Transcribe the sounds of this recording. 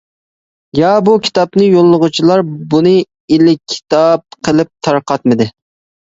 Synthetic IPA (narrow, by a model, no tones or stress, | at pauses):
jɑbukʲʰi̥t̪ɑpnɨjolˠːʊʁʊt͡ʃʰilˠɑɾbunɨ | ɪlɪkʲʰːi̥t̪ɑp̚qʰəlˠɪp̚t̪ʰɑɾqɑt̪̚mɨd̪ɪ